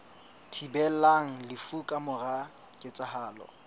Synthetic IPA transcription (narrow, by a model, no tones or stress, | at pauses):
tʰibɛlaŋ̩lɪfukʼamʊra | kʼɪt͡sʼahaːlɔ̰